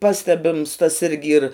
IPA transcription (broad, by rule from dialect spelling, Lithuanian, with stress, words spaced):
ˈpɑːsʲtʲɛbʲɪms tɐs ˈɪrʲɡʲɪ ɪr